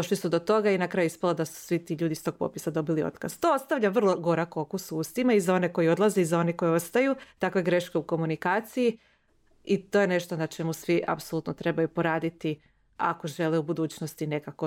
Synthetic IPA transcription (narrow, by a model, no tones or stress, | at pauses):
oʃlisud̪o̞t̪o̞ɡainakɾaːjuispalˠod̪asu̥sʋit̪iːʎuːd̪ist̪o̞ɡ̥̚po̰pisad̪o̞bilio̰t̪kazt̪o̞ost̪aʋʎaʋr̩lˠo̞ɡo̞ɾako̞kusuuːst̪imaizao̞ne̞ko̞jio̞d̪lˠaze̞izao̞neko̞jio̞st̪ajut̪akʋe̞ɡɾe̞ʃke̞uko̞munikaːt̪siji | it̪o̞jene̞ʃt̪o̞nat͡ʃe̞musʋiʔa̰psolˠuːt̪not̪ɾe̞bajupo̞ɾaːd̪it̪i | a̰ko̞ʒe̞leubud̪uːt͡ɕnost̪ine̞kako̞